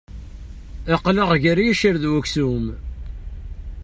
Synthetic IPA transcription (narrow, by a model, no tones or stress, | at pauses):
æqːləʁʝəɾjæʃəɾðwæksum